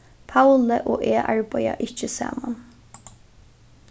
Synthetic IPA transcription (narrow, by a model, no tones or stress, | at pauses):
pʰawləʔoːʔeːʔɑɹbæjaʔɪt͡ʃəsa̰ːman